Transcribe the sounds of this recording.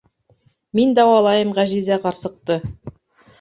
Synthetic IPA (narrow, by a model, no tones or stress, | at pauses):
mend̪ɑwɑlˠɑjəmʁæʒizæqʰɑɾsəq̚t̪ə